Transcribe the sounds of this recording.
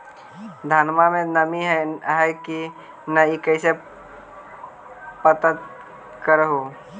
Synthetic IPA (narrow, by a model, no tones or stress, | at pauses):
d̪ʱənmamẽnəmiɦɦɛki | naikəɪse | pət̪ət̪ | kəɾɦo